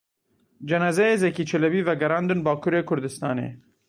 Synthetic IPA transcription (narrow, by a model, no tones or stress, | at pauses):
d͡ʒɛnɑːzɛjeːzɛkiːt͡ʃʰɛlɛbiːvɛɡɛɾɑːnd̪ɨnbɑːkʰuːɾeːkʰʊɾd̪ɨst̪ɑːnḛː